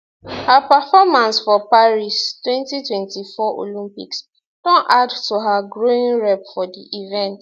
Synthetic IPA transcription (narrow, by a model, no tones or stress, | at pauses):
hapəfɔmãnsfɔpaɹistwɛ̃ntitwɛ̃ntifɔʔo̰lĩmpḭks | d̥õnʔadtuɦaɡɹoĩnɹɛpfɔdiʔivɛ̃nt